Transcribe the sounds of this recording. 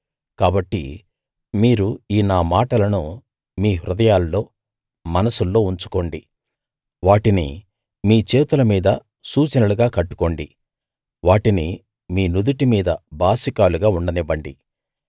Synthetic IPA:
kaːbɐʈːḭ | miːɾuiːnaːmaːʈɐlɐnu | miːɦɾud̪ɐjaːlːo̞ː | mɐnɐsulːo̞ːuɲt͡ʃu̥ko̞ɳɖi | ʋaːʈinḭ | miːt͡ʃe̞ːt̪ulɐmiːd̪ɐ | suːt͡ʃɐnɐluɡaːkɐʈːu̥ko̞ːɳɖi | ʋaːʈini | miːnud̪uʈimiːd̪ɐbʱaːsikaːluɡaːuɳɖɐnibɐɳɖi

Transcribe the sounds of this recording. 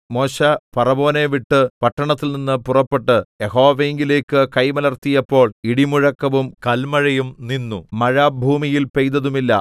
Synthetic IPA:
mo̞ːɕɐpɐrɐbo̞ːneʋiʈːɨpɐʈːɐɳɐt̪ːilninːɨpurɐpːeʈːɨjeho̞ːʋeːŋɡileːkːɨkɐjmɐlɐrt̪ːijɐpːo̞ːɭiɽimuɻɐkːɐʋumkɐlmɐɻɐjumninːumɐɻaːbʱuːmijilpejt̪ɐðumilːɐ̰

